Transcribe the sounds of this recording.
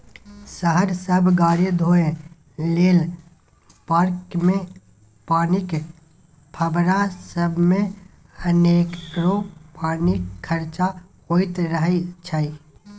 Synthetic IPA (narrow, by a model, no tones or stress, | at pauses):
səɦəɾsəbʱɡaːɾjəd̪ʱoːẽ | leːl | paːɾkmẽ | paːnik | pʰəbɾasəbʱmẽ | əneːkɾoːpaːnikʰːəɾt͡ʃa | hoːit̪ɾəɦit͡ʃʰaːi